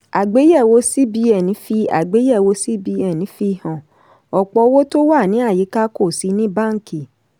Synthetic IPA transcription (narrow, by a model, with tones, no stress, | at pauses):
a˨ɡ͡be˨˦jɛ˦˨wo˨˦si˦bi˧ɛ˨nĩ˨˦fi˧˦a̰˨ɡ͡be˨˦jɛ˦˨wo˨˧si˦bi˧˦ɛ˦˨nĩ˨˦fi˦hɔ̃˨ | ɔ˨k͡pɔ˧˦wo˦to˦wa˦˨nĩ˨˦a˦˨ji˨˦ka˦ko˦˨si˨˧˦nĩ˦bã˦˨ŋ˦ki˨